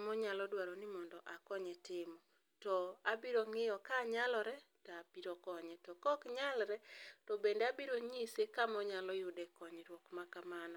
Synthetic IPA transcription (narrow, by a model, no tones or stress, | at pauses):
mɔɲalɔdwaɾɔnɪmɔndɔʔakɔɲɛtɪmɔ | tɔabiɾoŋɪjɔkaɲalɔɾɛtaːpiɾokɔɲɛtɔkɔkɲalɾɛtɔbendeabiɾoɲisekamɔɲalɔjʊdɛkɔɲɛɾwɔkmakamanɔ